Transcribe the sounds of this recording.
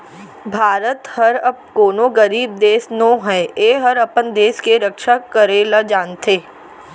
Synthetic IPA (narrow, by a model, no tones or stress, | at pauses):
bʱaːɾət̪hɐɾɐp̚koːnõɡəɾiːb̚d̪eːsnõːɦɛeːɦɐɾɐpənd̪eːskeɾɐkʃakəɾelad͡ʒaːnt̪ʰeː